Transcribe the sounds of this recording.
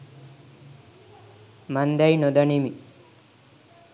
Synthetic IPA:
mand̪ajnod̪aɳimi

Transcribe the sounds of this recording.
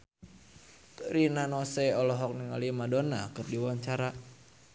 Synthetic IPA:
ɾinanɔseɔlɔɦɔk̚niŋalimadonakɨrdiwaɲt͡ʃaɾa

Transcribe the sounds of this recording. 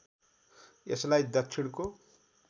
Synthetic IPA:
eslajd̪ʌt͡sʰiɽko

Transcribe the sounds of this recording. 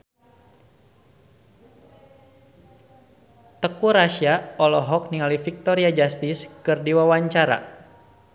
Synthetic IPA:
t̪əkuɾaʃiaɔlɔɦɔk̚niŋalifik̚t̪ɔɾiad͡ʒast̪iskɨrdiwawaɲt͡ʃaɾa̰

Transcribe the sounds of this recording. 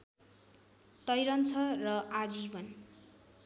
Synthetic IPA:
t̪ʌjɾʌnt͡sʰʌrʌʔad͡zibʌn

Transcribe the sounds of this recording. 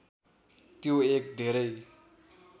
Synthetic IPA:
t̪joek̚d̪ʱeɾʌj

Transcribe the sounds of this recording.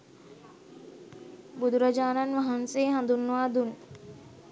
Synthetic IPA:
bud̪uɾad͡ʒaːnanʋaɦanseːɦand̪unːəʋaːd̪un

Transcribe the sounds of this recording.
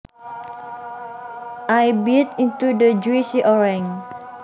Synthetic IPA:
ʔajbit̪int̪udəd͡ʒuisiʔɔɹɛŋ

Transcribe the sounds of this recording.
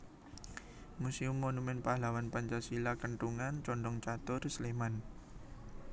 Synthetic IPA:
museumːonumɛnpahlawanpaɲt͡ʃasilakəɳʈuŋant͡ʃɔɳɖɔŋt͡ʃat̪ʊrsleman

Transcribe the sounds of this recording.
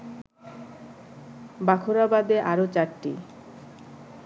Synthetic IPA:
bakʰoɾabad̪eʔaɾot͡ɕaɾʈi

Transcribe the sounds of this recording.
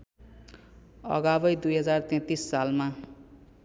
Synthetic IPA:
ʌ̰ɡabʌjd̪ujɦʌd͡zart̪ẽt̪isːalma

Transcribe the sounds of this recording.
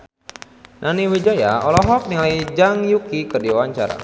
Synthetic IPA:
nʔaniwid͡ʒaja̰ɔlɔɦɔk̚niŋlajd͡ʒaŋjukikərdiwawaɲt͡ʃaɾa̰

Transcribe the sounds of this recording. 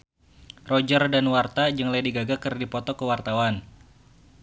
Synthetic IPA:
rɔd͡ʒərdanwart̪ad͡ʒəŋlajdiɡaɡakɨrdipɔt̪ɔkəwart̪awan

